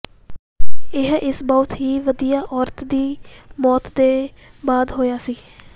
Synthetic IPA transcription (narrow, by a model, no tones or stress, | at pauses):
ɪɦɪsbɔʊt̪ɦiːʋəd̪ijaːʔɔːɾt̪d̪iːmɔːt̪d̪eː | baːd̪ɦoːjaːsiː